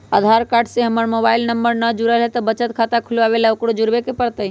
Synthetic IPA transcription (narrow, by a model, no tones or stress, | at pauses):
ə̰d̪ʱaɾkaɾɖseɦəməɾmobailnəmbəɾnəd͡ʒuɾəlɦɛt̪ɔbət͡ʃət̪kʰat̪akʰulʋabelaukɽod͡ʒuɾbekepəɾt̪əi